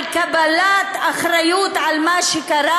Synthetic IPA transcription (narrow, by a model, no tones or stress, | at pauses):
kabalat̪aχɾajut̪ʕalmaʃekaɾa